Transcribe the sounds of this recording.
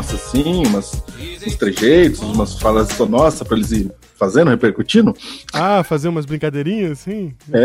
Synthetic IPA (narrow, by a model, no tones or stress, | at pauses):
ɔsɐsĩũmɐsũst̪ɾeʒejt̪ʊzũmɐsfalɐzɪt̪oɐnɔsɐpɾɐelɪzɪɾ | fazẽɾ̃hepeɾkut͡ʃĩnʊ̃afazẽũmɐzbɾĩŋkad̪eɾĩɲɐsĩɛ